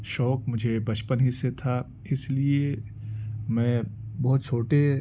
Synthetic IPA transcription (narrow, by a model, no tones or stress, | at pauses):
ʃɔːkmʊd͡ʒʱebɐt͡ʃpənɦɪset̪ʰa | ɪslie | mɛ̃ːbɔɦt̪t͡ʃʰoːʈe